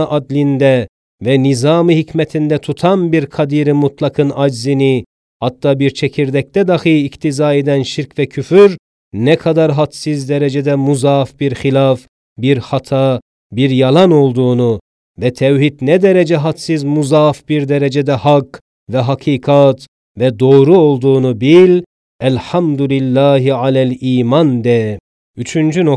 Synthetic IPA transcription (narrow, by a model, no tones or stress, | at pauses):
ʔɑd̪lind̪ɛ | vɛnizɑːmɯhicʰmɛt̪ʰind̪ɛt̪ʰut̪ʰɑnbiɾkʰɑd̪iːɾimut̪ʰlˠɑkʰɯnɑd͡ʒzini | hɑt̪ːɑːbiɾt͡ʃʰɛcʰiɾd̪ɛc̚t̪ɛd̪ɑxɯikt̪ʰizɑːed̪ænʃiɾcʰvɛcʰyfyɾ | nɛkʰɑd̪ɑɾɦɑt̪sizd̪ɛɾɛd͡ʒɛd̪ɛmuzɑfbiɾxilaf | biɾhɑt̪ʰɑ | biɾjɑlˠano̞lˠd̪uːnu | vɛt̪ʰɛwhit̪nɛd̪ɛɾɛd͡ʒɛɦat̪sizmuzafbiɾd̪ɛɾɛd͡ʒɛd̪ɛhak | vɛɦakʰiːkʰat̪ | vɛd̪o̞ːɾuolˠd̪uːnubilʲ | ælħamd̪ulilːaːɦiʕalæliːmand̪ɛ | yt͡ʃʰynd͡ʒyno